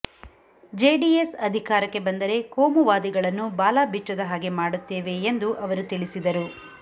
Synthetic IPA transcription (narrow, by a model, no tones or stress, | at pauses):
d͡ʒeːɖiesɐd̪ʱikaːɾɐkːe̞bɐnd̪ɐɾe̞koːmuʋaːd̪iɡɐɭɐnːubaːlaːbit͡ʃːɐd̪ɐɦaːɡe̞maːɽut̪ːeːʋe̞ːnd̪uʔɐʋɐɾut̪iɭisid̪ɐɾu